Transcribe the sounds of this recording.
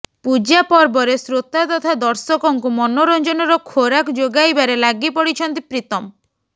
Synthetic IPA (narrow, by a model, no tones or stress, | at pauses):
pud͡ʒapɔɾbɔɾesɾot̪at̪ɔt̪ʰad̪ɔɾsɔkɔŋkumɔnoɾɔnd͡ʒɔnɔɾɔkʰoɾakɔd͡ʒoɡajbaɾelaɡipɔɽit͡ʃʰɔnt̪ipɾit̪ɔm